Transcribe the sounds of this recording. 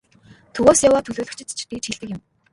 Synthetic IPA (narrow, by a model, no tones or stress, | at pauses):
t̪ʰɵɣoːsjawaːt̪ʰɵɮoːɮɵ̆kt͡ɕʰɪ̆t̪t͡ɕʰt̪it͡ɕxiɮt̪ɘ̆kʲɪ̆m